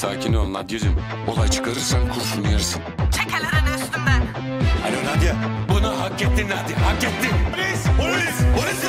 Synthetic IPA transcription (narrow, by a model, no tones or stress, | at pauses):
saːcʰinolˠunːˠad̪ijeɾim | o̞̰lˠajt͡ʃʰɯ̥kʰaɾɯɾsankʰuɾsunujaɾsɯnt͡ʃʰekʰelʲeɾɛnɛst̪ymd̪æn | a̰lʲonad̪ijabunuɦakːɛt̪ːinlːæɾd̪ihakːɛt̪ʰːin